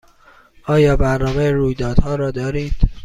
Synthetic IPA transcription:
ʔɒːjɒːbæɾnɒːmejeɾuːjd̪ɒːd̪hɒːɾɒːd̪ɒːɾiːd̪̥

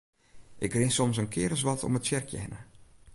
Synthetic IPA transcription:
ʔɪkrɪnsɔmsənkʰɪːɾəs̬ʋɔtʰo̰mətsɛrkʰjɛ̰nə̰

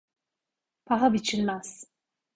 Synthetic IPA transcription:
pʰaɦabit͡ʃʰinmaz̥

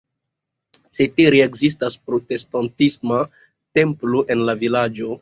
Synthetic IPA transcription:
seteɾeeɡzis̬taspɾo̞te̞stantisma | te̞mploʔe̞nlavilad͡ʒo̞

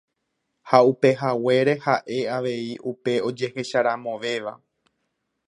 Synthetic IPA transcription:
haupe̞ɦawe̞ɾe̞haʔe̞aʋe̞iʔupe̞o̞d͡ʒe̞he̞ʃaɾãmõ̞ʋe̞ʋa̰

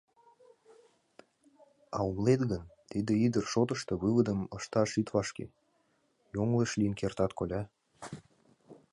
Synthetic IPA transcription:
ɑumlet̪ɣənt̪id̪ĕid̪ərʃot̪ə̆ʃt̪ɤ̆βɨβəd̪ə̆mɤʃt̪ɑʃit̪βɑʃkḛ | joŋlˠeʃlijənkert̪ɑt̪kolʲɑ

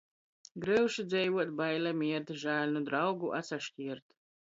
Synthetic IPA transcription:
ɡɾɨwʃid̪zɛjvuɔt̪bajlamiɛt̪ʒaːlʲnud̪ɾawɡuʔa̰t̪saʃkʲiɛɾt̪

